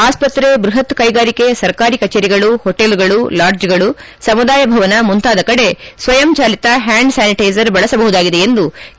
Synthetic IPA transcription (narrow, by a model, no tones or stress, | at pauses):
aːspɐt̪ɾebɾuɦɐt̪kɐjɡaːɾike̞sɐɾkaːɾikɐt͡ʃeːɾiɡɐɭuhoʈelɡɐɭulaːɾd͡ʒɡɐɭu | sɐmud̪aːjɐbʱɐʋɐnɐmunt̪aːd̪ɐkɐɽe̞sʋɐjɐmt͡ʃaːlit̪ɐɦaːɳɖsaːniʈɐjzɐɾbɐɭɐsɐbɐɦud̪aːɡid̪eend̪u